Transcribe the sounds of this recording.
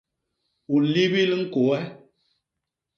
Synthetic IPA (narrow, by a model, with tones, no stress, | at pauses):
u˨˦li˦bi˦li˦ŋ̩˦ko˨ɛ˦